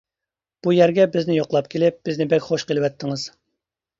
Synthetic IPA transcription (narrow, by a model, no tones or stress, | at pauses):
b̥ujæɾɡʲɛbɪznɪjoqlˠɑpkʲʰelɪp̚b̥ɪznɪbɛkʲχoʃqəlˠɪwɛt̪ʰːɪŋɨz̥